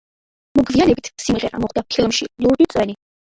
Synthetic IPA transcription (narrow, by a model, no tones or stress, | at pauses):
mɔɡvianɛbit̪ʰsimʁɛɾa̰mɔχd̪apʰilˠmʃilˠuɾd̪it̪sʼwɛni